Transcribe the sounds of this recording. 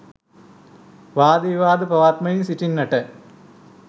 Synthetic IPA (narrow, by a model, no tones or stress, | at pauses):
ʋaːd̪iʋaːd̪ɨpɐʋaːt̪mɐjinsiʈinːɐʈɐ